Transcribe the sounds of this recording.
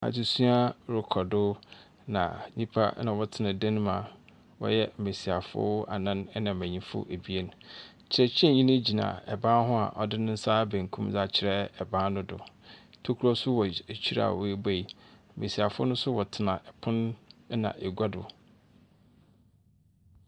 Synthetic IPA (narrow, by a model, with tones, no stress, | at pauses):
a̰˨du˨sũ˦a˦ɾʊ˨kʰɔ˨dʊ˦ | nã̰˨ɲĩ˦pʰa̰˦nã˨ɔ˦tʰɪ˨nã˨dã˦ñ˦mã̰˨ | wɔ̰˦jɛ˦m̩˨me˨si˨a˨fʊ̰˦a̰˨nã˦nɛ˦nã˨mæ̃˨ɲĩ˦fʊ̰˦ʔe˨bi˦e˦nʊ̃˨ | t͡ɕʰɪ˨ɾɛ˨t͡ɕʰɛ̃˦˨ɲĩ˦nɪ̃˦d͡ʑi˨nã̰˨ɛ˨bã˦ɦʊ̃˦a˨ʔɔ˨dɪ˦nʊ̃˦n̩˦saː˦bæ̃˨ŋkʰũ˦md͡za˦˨t͡ɕʰɪ˨ɾɛ˦ɛ˨bã˦nʊ̃˦dʊ̰˨ | tʰo˦kʰu˦ɾɔ˦sʊ˦wɔ˨t͡ɕʰi˦ɾa̰˦a̰˨wɔ˨e˦be˦i˨m̩˨me˨si˨a˨fʊ˦nʊ̃˦nsʊ˦wɔ˨tʰɪ˨nã˨ʔɛ˨pʰʊ̃˦n˦nã̰˨ʔe˨ɡʷa˦dʊ̰˨